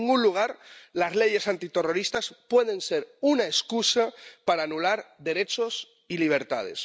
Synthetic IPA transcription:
ŋunluɣ̞aɾlazleʝe̞sant̪it̪e̞ro̞ɾist̪aspwe̞ð̞e̞nse̞ɾunaeskusapaɾaːnulaɾðe̞ɾet͡ʃo̞s | iliβ̞e̞ɾt̪a̰ð̞ḛs

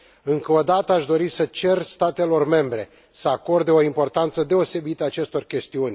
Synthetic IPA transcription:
ɨŋkəod̪at̪əaʃd̪o̞ɾisət͡ʃe̞rst̪at̪e̞lo̞rme̞mbɾe̞ | səako̞rd̪eo̞impo̞rt̪ant̪səd̪e̞o̞se̞bit̪əat͡ʃe̞st̪o̞rkʲe̞st̪iunʲ

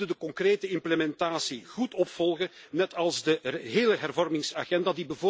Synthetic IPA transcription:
dədəkɔŋkreːtəɪmpləmɛntaːsiɣutɔpfɔlˠɣənɛtɑlˠzdəɦeːləɦɛrvɔrmɪŋsaːɣɛndadibəvoː

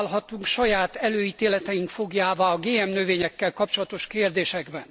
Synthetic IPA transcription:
lɦɒt̪uŋkʃɒjaːt̪ɛløːiːt̪eːlɛt̪ɛiŋkfo̞ɡjaːvaːɒɡeːɛmnøveːɲɛkːɛlkɒp̚t͡ʃolɒt̪o̞ʃkeːrd̪eːʃɛɡbɛn

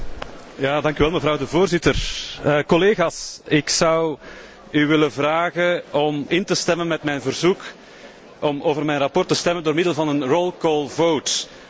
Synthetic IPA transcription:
jaːdɑŋkyʋɛlˠməvɾɑwdəvoːrzɪtərkɔleːɣaːsɪksʌw | yʋɪləvraːɣəɔmɪntəstɛmənmɛtmɛjnvərzuk | ɔmoːvərmɛjnrɑpɔrtəstɛməndoːrmɪdəlˠvɑnənrolˠkɔːlˠvowt

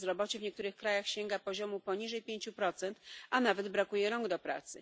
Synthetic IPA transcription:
zɾɔbɔt͡ɕɛvɲɛkt̪uɾɘxkɾajaxɕɛŋɡapɔʑɔmupɔɲiʐɛjpʲjeɲt͡ɕupɾɔt̪sɛnt̪anavɛd̪bɾakujɛɾɔŋɡd̪ɔpɾa̰t̪sɘ̰

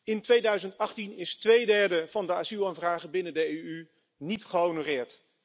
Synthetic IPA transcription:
ɪntʋejdœɥzəntɑχtinɪstʋejdɛɹdəv̥ɑndəaːzilˠaːnvraːχəbɪnəndəejy | nitχəonorɪːɹt

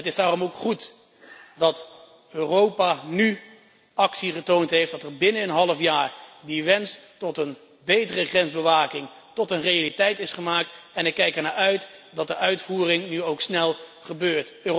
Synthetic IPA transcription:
ətɪzdaːrɔmowkχut | dɑt | øːrowpany | ɑksiχətowntɦejfdɑtɛɹbɪnəənɦɑləfjaːɹdiʋɛnstɔtən | bejtərəχrɛnzbəʋaːkɪŋ | tɔtənrejalitɛjtɪsχəmaːk̚tɛnɪkːɛjkɛɹnaːʔœɥtdɑt̚dəʔœɥtfuːrɪŋnyowksnɛlˠχəbøːɹtø

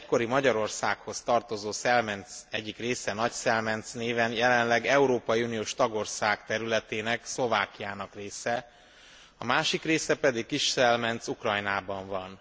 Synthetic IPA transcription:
cko̞ɾimɒɟɒɾo̞rsaːkho̞st̪ɒrt̪o̞zoːsɛlmɛnt̪sɛɟːikreːsɛnɒcsɛlmɛnt̪sneːvɛnjɛlɛnlɛɡɛuɾoːpɒjiunijoːʃt̪ɒɡo̞rsaːkt̪ɛɾylɛt̪eːnɛkslo̞vaːkijaːnɒkreːsɛ | ɒmaːʃikreːsɛpɛd̪ikkiʃsɛlmɛnt̪sukrɒjnaːbɒɱvɒn

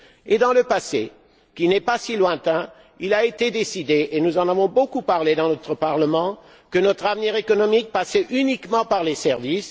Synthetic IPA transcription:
ed̪ɑ̃ləpasḛ | kʲinɛpasilwɛ̃t̪ɛ̃ | ilaet̪ed̪esid̪eʔenuzɑ̃navɔ̃bokupaʁled̪ɑ̃nɔt̪χəpaʁləmɑ̃ | kənɔt̪χavniʁekɔnɔmik̚pasɛʔynikmɑ̃paʁlesɛʁvis

